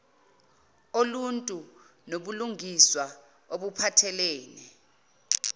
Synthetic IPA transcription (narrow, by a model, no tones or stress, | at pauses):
oluntʼu | noɓuluŋiswa | oɓupʰatʰɛleːni